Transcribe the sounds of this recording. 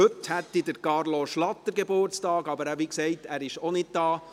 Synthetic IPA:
ɵthɛtːidəɾkɑɾloʃlɑt̪ːəɾɡebʊɾt͡stɑːɡɑbəɾæʋiːksɛɪtæːɾɪʃonɪd̚d̥ɑː

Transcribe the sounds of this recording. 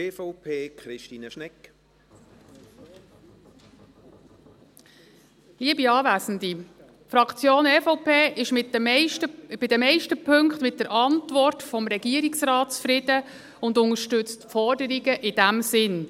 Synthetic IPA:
eːfɔʊpʰeːkχɾɪʃtiːnəʃnɛk | liəbiɑːvæːzən̩d̪i | fɾɑkt͡sjoːnɛːfɔʊpʰeːʔɪʃmɪtətəb̥ɪd̥əmɛɪʃtəpʰɵŋkχtmɪt̚dəɾʔɑntvɔrtfɔmɾɛɡ̥iəɾiksrɑːtsfɾɪd̥ə | ʊnd̪ʊŋəʃtʏt͡stfɔrdəɾiɡəʔɪd̥æmsɪn

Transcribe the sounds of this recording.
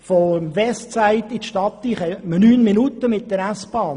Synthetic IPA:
fɔmʋɛstt͡sæɪt̪ɪtʃtɑt̪ːiχɛmənyːnminut̪ːəmɪtːdəɾæsb̥ɑː

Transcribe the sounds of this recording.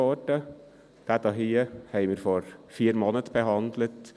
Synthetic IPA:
oːʈə | d̪̥æt̪ɑɦiːəhæɪʋɪːɾfɔɾfiːɾmonət̪bəhɑnd̪lət̪

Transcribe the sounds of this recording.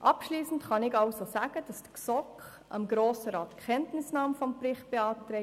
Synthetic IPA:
ʔɑpʃliːsən̩tχɑnɪɡɑʊsosæːɡ̥əd̥ɑsd̥əksɔkχ | ʔɑ̰mɡɾoːsəɾɑːtkχɛntnɪsnɑːmfɔmprɪχt̚b̥eɑːtɾɛ

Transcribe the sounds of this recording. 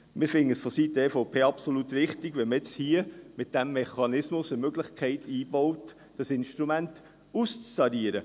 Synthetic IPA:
mɪfɪndəsfɔsiːtəefoʊpʰeːɑpsolutɾɪχtɪɡvʋɛməɛt͡shiəmɪt̚d̥ɛmːɛχɑnɪsmʊsəmøɡlɪχkʰɛɪtʰiːbɔʊt | d̥ɑsɪnʃtɾumænt | ust͡sːɑdiəɾə

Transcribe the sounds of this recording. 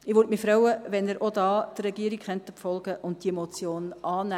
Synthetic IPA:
ɪʋʊɾtmifɾœwəʋɛnəɾʔod̪ɑːd̥̪rɾɛɡiəɾikχœnt̪əpfɔlɡəʔʊntd̥iemot͡sjoːnɑːnæ

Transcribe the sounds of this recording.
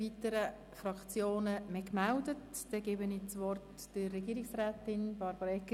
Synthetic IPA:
iːtəɾə | fɾɑkt͡sjoːnəmɛkmældətd̥ɛɡ̥ɛbənit͡sʋɔrt | d̥əːɛɡiːɾɪksrɛːtɪnb̥ɑɾbəɾɛkːə

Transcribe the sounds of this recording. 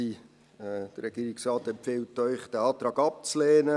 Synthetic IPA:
i | d̥əɾɛɡ̥iːɾɪksrɑːtɛmpfɪltːœʏχd̥æɑːt̪ɾɑːɡɑp̚t͡sleːnə

